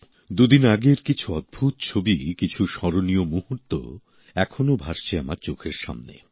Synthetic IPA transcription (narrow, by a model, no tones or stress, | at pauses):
d̪ud̪inaɡeɾkit͡ɕʰuɔd̪̚bʱut̪t͡ɕʰobikit͡ɕʰuʃɔɾoniomuɦuɾt̪o̰ | ɛkʰonobʱaʃt͡ɕʰeamaɾt͡ɕokʰeɾʃa̰mnḛ